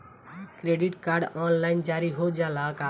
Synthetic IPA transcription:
kɾeɖiʈkaɾɖɔnlaɪnd͡ʒaɾiɦod͡ʒalaka

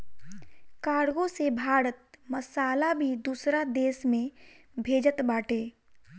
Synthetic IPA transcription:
kaːɽɡõsebʱaːɾət̪̚məsaːlabʱid̪uːsɾad̪eːsmẽ | bʱeːd͡ʒət̪baːʈʰeː

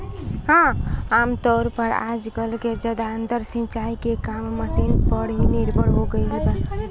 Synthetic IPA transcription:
hãamt̪ɔɾpəɾa̰d͡ʒkəlked͡ʒəd̪aənt̪əɾsĩt͡ʃaikekamːəsinpəɽiniɾbəɽɦoɡəɪləbə

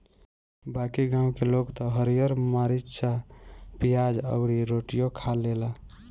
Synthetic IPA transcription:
bakiɡãw̃kelokt̪ɔɦəɾijəɾmaɾitːʃʰapijad͡ʒə̰bɽiɾoʈijokʰalːela

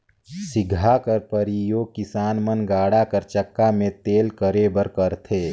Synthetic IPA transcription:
sɪɡʱakəɾpəɾijoːɡ̚kɪsaːnmənɡaːɽakəɾt͡ʃəkːamẽt̪eːlkəɾeːbəɾkəɾt̪ʰeː

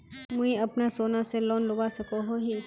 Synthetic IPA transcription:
mʊ̃ĩɐpnasoːnaselɔːnlʊbasɐkoɦoɦi

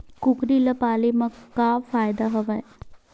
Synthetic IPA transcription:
kʊkɾilɐpaːlimɐkaːfaːjd̪aɦɐʋaj

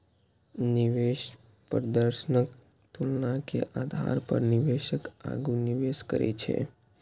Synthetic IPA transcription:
nɪʋeʃ | pəɾəd̪əɾʃənək | t̪ulnãkḛʔad̪ʱa̰ɾpə̰ɾnɪʋeʃəka̰ɡuniʋeːʃkə̰ɾʔḛt͡ʃʰḛ

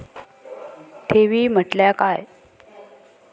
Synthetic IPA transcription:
ʈʰeʋiːm̤əʈljakaj

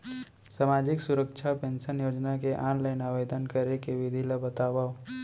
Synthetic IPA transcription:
saːmaːd͡ʒɪksʊɾəkʃʰapẽːnʃənjoːd͡ʒnakeʔaːnlaɪnaːʋeːd̪ənkəɾekeʋɪd̪ʱiləbət̪aːbao

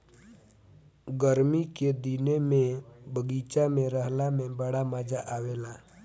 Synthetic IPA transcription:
ɡəɾmiked̪inemẽbʱəɡiːt͡ʃamẽɾəɦlamẽbəɽamad͡ʒaʔaːweːlaː

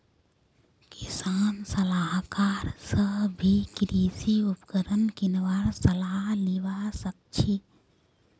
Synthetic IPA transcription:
kisaːnsəlaɦkaːɾsəbʱikɾiːsiupkəɾənkinʋaɾsəlaɦliʋasək̚t͡ʃʰi

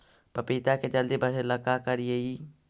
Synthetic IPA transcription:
pəpit̪aked͡ʒəld̪ibʱɐɾelɐkakəɾjei

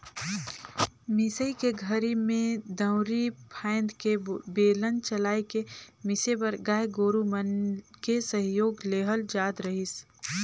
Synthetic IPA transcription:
mɪsəikeɡʱəɾimẽd̪ə̃ʊɾipʰãːɪ̃nd̪kebeːlənt͡ʃəlaːikemɪsebəɾɡaːjɡoːɾumənkesəɦjoːɡleːɦəld͡ʒaːd̪ɾəɦɪs

